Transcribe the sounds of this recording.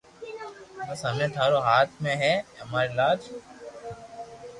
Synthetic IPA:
bɐsɦəmẽːt̪ʰaːɾoːɦaːt̪ʰmẽɦɛɦɐmaːɾelaːd͡ʒ

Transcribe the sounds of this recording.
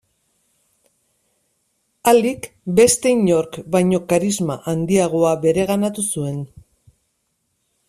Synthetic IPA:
alikbe̞st̪e̞iɲo̞ɾkbajɲo̞kaɾizmaʔand̪iaɣ̞o̞abe̞ɾe̞ɣ̞anat̪usue̞n

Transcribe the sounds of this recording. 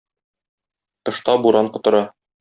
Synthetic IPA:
t̪ɤ̆ʃt̪ɑbuɾɑɴqŏt̪ɤ̆ɾɑ

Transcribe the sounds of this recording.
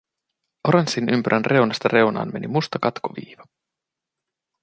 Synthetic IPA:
ʔoɾensinympyɾʔænrʔe̞wnɑst̪ɑre̞wnɑ̰ːnme̞nimust̪ɑkɑt̪koʋḭːʋɑ

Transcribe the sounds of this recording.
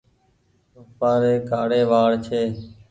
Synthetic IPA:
ʊpaːɾeːkaːɽeːʋaːɽt͡ʃʰeː

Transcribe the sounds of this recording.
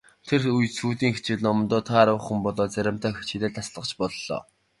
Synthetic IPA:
t̪ʰerujsuːt̪iːŋxet͡ɕɪ̆ɮnɔm̆nt̪ɔːt̪ʰaɾwə̆χə̆mpɔɮɔːt͡sæɾʲɪ̆m̥t̪ʰœːxe̥t͡ɕĭt̪eːɮt̪ʰasɮə̆qt͡ɕpɔɮːɔ̰ː

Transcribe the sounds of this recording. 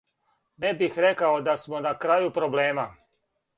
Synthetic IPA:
nebixɾekaod̪asmo̞nakɾajupɾo̞ble̞ːma

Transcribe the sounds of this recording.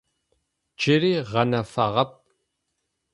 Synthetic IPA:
d͡ʒɪɾiːʁɐnɐfɐʁɐp̚

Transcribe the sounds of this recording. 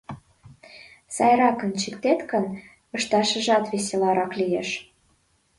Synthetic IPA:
sɑjɾɑkə̆nt͡ɕikt̪et̪kə̆n | ɤ̆ʃt̪ɑʃə̆ʒɑt̪βeselɑɾɑklijeʃ

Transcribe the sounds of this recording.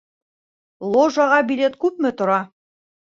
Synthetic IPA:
lˠoʒɑʁɑbilʲe̞t̪kʉp̚mɘt̪ŏɾɑ

